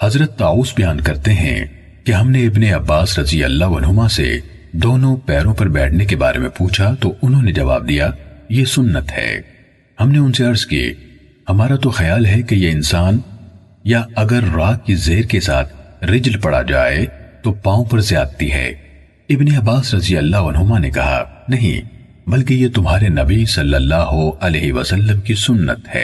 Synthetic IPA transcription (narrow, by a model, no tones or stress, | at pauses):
hɐzɾət̪ːaːuːsbɐjaːnkɐɾt̪eɦɛ̰̃ | keɦɐmneɪbneɐbːaːsɾɐziɐ̰lːaʋɐnɦʊmasḛ | d̪oːnõpɛːɾõpɐɾbɛːʈʰnek̬eba̰ːɾḛmḛ̃puːt͡ʃʰat̪oʊnɦõned͡ʒɐʋa̰ːb̚d̪ijajesʊnːət̪hɛ̰ː | hɐmneʊnseɐɾskiḛ | hɐmaːɾat̪oxɐjaːlɦɛkejeɪnsaːn | jaɐɡəɾːaːkːizeːɾkesaːt̪ʰɾɪd͡ʒlpɐɽ̤a̰d͡ʒa̰ːḛt̪opãːõpɐɾzjaːd̪̚t̪iɦɛ̰ː | ɪbneɐbaːsɾɐzijɐlːaɦoɐnɦʊmanekɐɦa̰nɐɦḭ̃ | bɐlk̬ejet̪ʊmɦaːɾenɐbisɐlːəlːaːɦoɐleːɦiʋɐ̰sɐlːəmkisʊnːə̰t̪hɛ̰ː